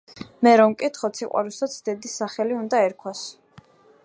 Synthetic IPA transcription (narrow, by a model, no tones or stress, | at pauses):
mɛɾɔmkʼit̪χɔt̪sʰiqʼwa̰ɾusat̪sʰd̪ɛd̪isaχɛliund̪aɛɾkʰwas